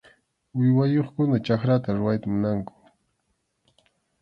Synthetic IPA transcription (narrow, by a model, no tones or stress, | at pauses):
ʊjwajoχkʊnat͡ʃakɾat̪aɾʊwajt̪amʊnaŋkʊ̥